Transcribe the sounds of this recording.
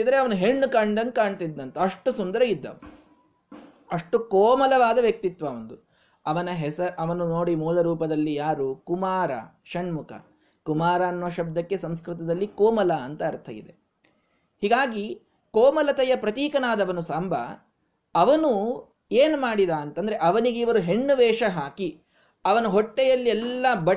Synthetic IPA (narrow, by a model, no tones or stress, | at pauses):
id̪ɐɾeɐʋɐnuɦeɳːukɐɳɖɐnkaːɳt̪id̪ːɐnt̪ɐɐʂʈusund̪ɐɾɐid̪ːɐ̰ʋɐ | ɐʂʈukɔːmɐlɐʋaːd̪ɐʋjɐk̚t̪it̪ʋɐːʋɐnd̪u | ɐʋɐnɐɦɛsɐɾʔɐʋɐnunoːɽimuːlɐɾuːpɐd̪ɐlːijaːɾukumaːɾɐ̰ | ʃɐɳmukʰɐ̰ | kumaːɾaːnʋɐʃɐb̚d̪ʱɐkːe̞sɐmskɾut̪ɐd̪ɐlːikoːmɐlɐɐnt̪ɐːɾt̪ʰɐjḭd̪e | hiːɡaːɡi | kɔːmɐlɐt̪ɐjɐpɾɐt̪iːkɐnaːd̪ɐʋɐnusambʱɐ̰ | ɐʋɐnu | eːnumaːɽid̪aːnt̪ɐnd̪ɐɾeʔɐʋɐniɡeiʋɐɾuɦeɳːuʋɛːʂɐɦaːki | ɐʋɐnuɦoʈːɛjɐlːiɛlːɐbɐ